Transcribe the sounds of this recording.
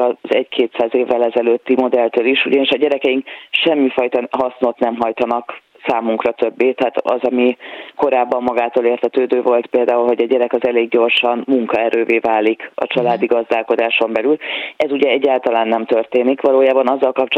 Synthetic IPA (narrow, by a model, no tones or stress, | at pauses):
ɒzɛɟkʰeːt̪saːzeːvːɛlɛzɛløːt̪ːimo̞d̪ɛlt̪øːliʃṵɟɒniʃɒɟɛɾɛkɛjiŋkʃɛmːifɒjt̪ɒɦɒsno̞t̪nɛmɦɒjt̪ɒnɒk | saːmuŋkrɒt̪øbːeːt̪ɛɦaːt̪ɒ̰zɒmiko̞ɾaːbːɒmːɒɡaːt̪oːleːrt̪ʰɛt̪øːd̪øːvo̞lt̪peːld̪aːulɦo̞ɟɒɟɛɾɛkɒzɛleːɡɟo̞rʃɒnmuŋkɒɛɾøːveːvaːlːikɒ̰t͡ʃɒlaːd̪iɡɒzd̪aːlko̞d̪aːʃo̞mbɛlylɛzuɟɛɛɟːaːlt̪ɒlaːnːɛmt̪ø̞rt̪eːnikʋɒloːjaːbɒnɒzːɒlkɒpt͡ʃ